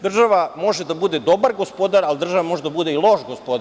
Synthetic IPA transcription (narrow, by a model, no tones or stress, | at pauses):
d̪r̩ʒaʋamo̞ʒed̪abud̪e̞d̪o̞baɾɡo̞spo̞d̪aɾalid̪r̩ʒaʋamo̞ʒed̪abud̪eilˠo̞ʃɡospo̞d̪